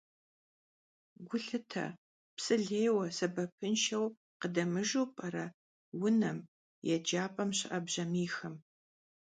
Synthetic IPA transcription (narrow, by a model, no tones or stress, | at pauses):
ɡʷʊɬɨtʰɐ̰ | psɨɮeːwɐsɐbɐpʰɨnʃɐw | qədɐmɨʒupʼɐɾɐ | wʊnɐm | jɛd͡ʒaːpʼɐmɕɪʔɐbʑɐmiːxɐm